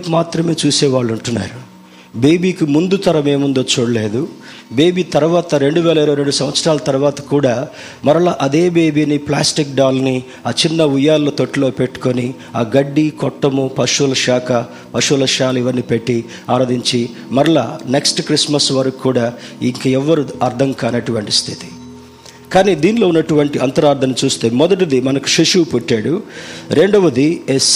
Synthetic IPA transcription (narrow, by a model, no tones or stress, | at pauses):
kmaːt̪ɾɐmeːt͡ʃuːsɛːʋaːɭːuɳʈunːa̰ːɾu | beːbiːkimund̪ut̪ɐɾɐme̞ːmund̪o̞ːt͡ʃoːɽɐle̞ːd̪u | beːbiːt̪ɐɾuʋaːt̪ɐɾe̞ɳɖuʋɛːlɐiɾojɾe̞ɳɖusɐmʋɐt̪sɾaːlɐt̪ɐɾuʋaːt̪ɐ̥kuːɽaː | mɐɾɐlaʔɐd̪e̞ːbeːbiːniplaːsʈik̚ɖaːlni | aːt͡ʃinːɐujaːlːoːt̪oʈːilo̞ːpe̞ʈːu̥koni | aːɡɐɖːikɔʈːɐmupɐʂulɐʃaːkʰɐ | pɐʂulɐʃaːlɐiʋɐnːiːpe̞ʈːi | aːɾoːd̪iɲt͡ʃi | mɐɾɐɭa̰ːneksʈkɾismɐsʋɐɾɐkukːuːɽaːḭŋkɐɛʋːɐɾuɐɾd̪ʰʱɐŋkaːnɐʈuʋɐɳʈist̪ʰit̪i̥ | kaːniːd̪iːnlo̞ːunːɐʈuʋɐɳʈiʔɐnt̪ɐɾaːɾd̪ʰʱɐnut͡ʃuːst̪eːmɔd̪ɐʈ̬id̪imɐnɐku̥ʃiʂuːpuʈːaːɽuɾe̞ɳɖɐʋɐd̪ies